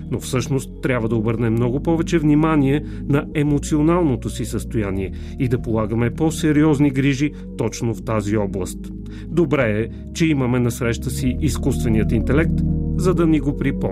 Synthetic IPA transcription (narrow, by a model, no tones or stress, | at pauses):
nofsɤʃnost̪ːɾʲabvəd̪ɐobɤɾnɛmːnɔɡopɔvɛt͡ʃɛvnimaniɛ | nɐɛmot̪sionalˠnot̪osisəst̪ojaniɛ | id̪ɐpolˠaɡəmɛpɔsɛɾiɔzniɡɾiʒi | t̪ɔt͡ʃnoft̪aziɔblˠəst̪ | d̪obɾɛɛ | t͡ʃɛiməmɛnɐsɾɛʃt̪əsiʔiskust̪vɛniət̪int̪ɛlɛk̚t̪zɐd̪ɐniɡopɾipɔ